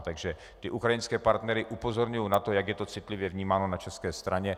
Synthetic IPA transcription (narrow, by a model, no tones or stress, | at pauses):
t̪aɡʒɛ | t̪ɪʔukɾajɪnskɛːpaɾt̪nɛɾɪʔupo̞zo̞ɾɲujownat̪o̞jaɡjɛt̪o̞t͡sɪt̪lɪvjɛvɲiːmaːno̞nat͡ʃɛskɛːst̪ɾʔaɲɛ